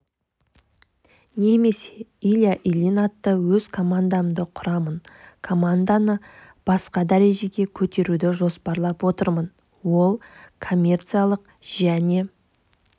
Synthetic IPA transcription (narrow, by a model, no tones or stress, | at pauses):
ne̞me̞seilʲjaʔilʲinat̪ːəwɵzkʰo̞mand̪amd̪əqʰʊɾɑmənkʰo̞mand̪anə | b̥ɑsqɑd̪æɾe̞ʒe̞ɡʲe̞kʲʰɵt̪e̞ɾud̪ɪʒo̞spɑɾlˠɑpwo̞t̪əɾmən | wo̞lˠkʰo̞mʲːe̞rt̪sɨijalˠəq | ʒ̥æne̞